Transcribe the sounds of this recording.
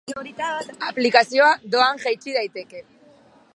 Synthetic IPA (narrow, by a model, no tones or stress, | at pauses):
aplikasjoad̪oaŋʝejt͡ʃiðajt̪eke